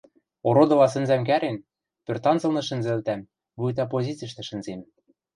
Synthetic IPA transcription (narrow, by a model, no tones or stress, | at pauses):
oɾod̪ɤ̆lɑsɘ̆nzæmk̬æɾen | pørt̪ɑnzɤ̆lnɤ̆ʃɘ̆nzɘ̆lt̪æm | vujt̪ɑp̬ozʲit͡siʃ̬t̪ɘ̆ʃɘ̆nzem